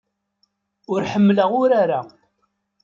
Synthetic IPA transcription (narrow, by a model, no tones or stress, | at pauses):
ʊɾħəmːləʁʊɾaɾa